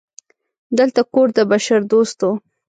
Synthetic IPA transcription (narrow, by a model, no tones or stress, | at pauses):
d̪əlt̪akoɾd̪əbaʃaɾd̪ost̪o